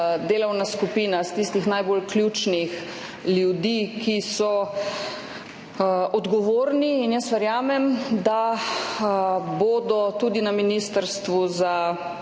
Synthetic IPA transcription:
d̪eːlɔwnaskupiːnast̪ist̪ixnajbolklʲjuːt͡ʃnix | ljud̪iːkisɔ | ʔɔd̪ɡɔʋoːɾniːnjəsʋɛɾjaːmɛmd̪a | boːd̪ɔt̪ud̪inaminist̪əɾst̪ʋuza

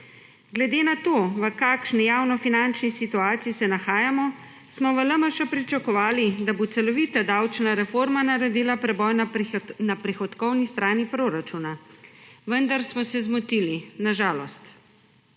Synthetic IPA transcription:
ɡlɛd̪eːnat̪oːʋəkaːkʃnɛjaːwnɔfinant͡ʃnisit̪uaːt̪siisɛnaxaːjamɔ | smɔʋələməʃapɾit͡ʃakɔʋaːlid̪abot̪sɛlɔʋiːt̪ad̪awt͡ʃnaɾɛfoɾmanaɾɛd̪iːlapɾɛbɔjnnapɾixɔt̪kɔwnist̪ɾaːnipɾoɾat͡ʃuna | ʋənd̪aɾsmɔsɛzmut̪ilinaʒaːlɔst̪

